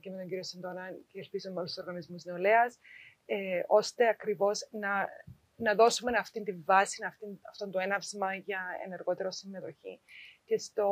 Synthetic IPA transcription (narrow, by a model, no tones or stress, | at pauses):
cemeo̞ɲɟiɾiosind̪onɐnceːlpizomːeolust̪uso̞ɾɣɐnizmuzneoleɐs | eo̞st̪e̞ɐkɾivo̞znɐ | nɐðo̞sume̞nɐft̪int̪iɱvɐsinɐft̪inɐft̪o̞nd̪oenɐvzmɐʝɐḛne̞ɾɣo̞t̪e̞ɾo̞simːe̞t̪o̞çḭcest̪o̞